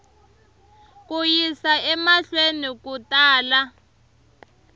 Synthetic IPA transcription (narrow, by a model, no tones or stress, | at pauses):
k̬ujisaɛmaɬwenik̬utʼaːla